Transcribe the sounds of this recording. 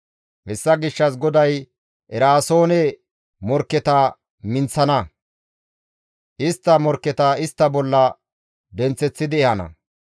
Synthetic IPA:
hɛsːɐɡɪʃːɐsɡɔd̪ɐj | ʔɛɾaːso̞ːnɛ | mɔɾkːɛt̪ɐ | mɪnt͡sːɐnɐ | ʔɪst̪ːɐmɔɾkːɛt̪ɐɪst̪ːɐbɔlːɐ | d̪ɛnt͡sːɛt͡sːɪd̪ɪɛhɐnɐ̰

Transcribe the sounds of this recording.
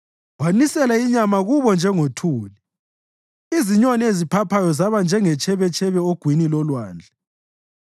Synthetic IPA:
wanisɛlaiɲamaɣuβɔnd͡ʒʱɛŋotʰuːli | iziɲɔniezipʰapʰajɔzaβand͡ʒʱɛŋɛt͡ʃʼʰɛβɛt͡ʃʼɛβɛoɡ̥ʱwinilɔlwaːnd͡ɮʱɛ

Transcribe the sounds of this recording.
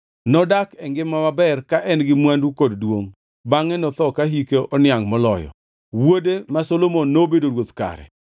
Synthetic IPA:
nɔdakɛŋɡɪmːamabɛrkaʔɛnɡɪmwandukoddwoŋ | baŋɛnɔt̪ɔkaɦikeʔɔnɪaŋmɔlɔjɔ̰ | wodemasolomonːobedoɾwot̪ka̰ɾɛ̰

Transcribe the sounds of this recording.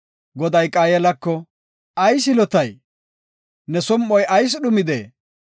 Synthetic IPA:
ɡɔd̪ɐjkʼaːjɛlɐkːɔ | ɐjs̬ɪlɔt̪ɐj | nɛsɔmːɔjɐjs̬ɗʊmɪd̪ḛː

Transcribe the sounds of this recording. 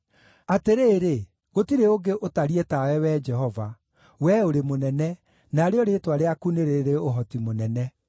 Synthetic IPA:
ateɾeːɾe | ɣotiɾeoɡeʔotaɾietawɛwɛːd͡ʒɛɦɔva | wɛoɾemonɛnɛ | naɾeɔɾeːtwaɾeakuneɾeɾeoɦɔtimonɛnɛ

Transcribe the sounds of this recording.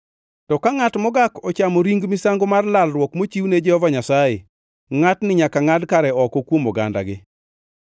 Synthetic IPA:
tɔkaŋatmɔɡakɔt͡ʃamoɾiŋɡmɪsaŋɡomarlalrwɔkmot͡ʃiwned͡ʒɛhɔvaɲasaje | ŋatnɪɲakaŋadkaɾɛɔkɔkwomɔɡa̰nda̰ɡɪ

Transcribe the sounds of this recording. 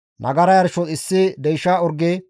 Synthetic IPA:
nʔɐ̰ɡɐɾɐjɐɾʃɔɪsːɪd̪ɛjʃaːɔɾɡɛ

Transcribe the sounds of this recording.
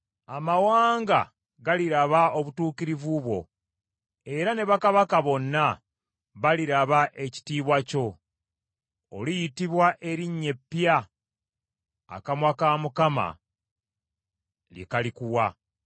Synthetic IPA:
amawaːŋɡa̰ | ɡaliɾaβao̞βutuːkiɾivuβwo̞̰ | e̞ɾane̞βakaβakaβo̞nːa | βaliɾaβaʔe̞ci̥tiːβwaco̞ | lijitiβwaʔe̞ɾiɲːe̞pːja | kamwakaːmukama̰ | lḭkalikuwa

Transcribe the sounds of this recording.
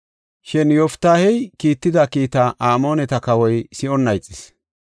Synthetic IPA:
ʃɛnjɔft̪ːaːhɛjkiːt̪ːɪd̪ɐkiːt̪ɐʔaːmo̞ːnɛt̪ɐkɐwɔjsɪɔnːɐjt͡sʼːɪs

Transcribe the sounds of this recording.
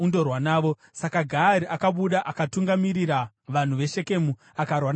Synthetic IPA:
ndo̞rwanaːʋo̞ | sakaɡʱaɾiʔakaɓuɗaʔakatuŋɡamiɾira | ʋan̤uʋe̞ʃe̞ke̞mu | akarwan

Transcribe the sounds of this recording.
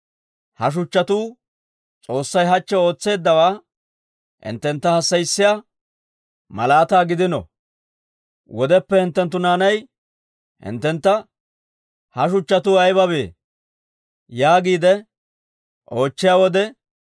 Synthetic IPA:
hɐʃ̬ʊt͡ʃːɐt̪uː | t͡sʼo̞ːsːɐjɦɐt͡ʃːɛo̞ːt͡sːe̞ːd̪ːɐwaː | hɪ̰nt̪ːɛnt̪ːɐhɐsːɐjɪsːɪja | mɐ̰laːt̪aːɡɪd̪ɪnɔ̰ | wɔd̪ɛpːɛhɪnt̪ːɛnt̪̬ːʊnaːnɐj | hɪ̰nt̪ːɛnt̪ːɐ | hɐʃʊt͡ʃːɐt̪uːɐjbɐbe̞ː | jaːɡiːd̪ɛ | ʔo̞ːt͡ʃːɪjaːwɔd̪ɛ

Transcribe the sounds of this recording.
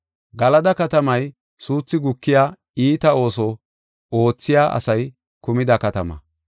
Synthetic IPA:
ɡɐlɐd̪ɐkɐt̪ɐmɐj | suːt͡sːɪɡʊkːɪjaː | iːt̪ɐo̞ːsɔ | o̞ːt͡sːɪjaːʔɐ̰sɐj | kʊmɪd̪ɐkɐt̪ɐmɐ̰

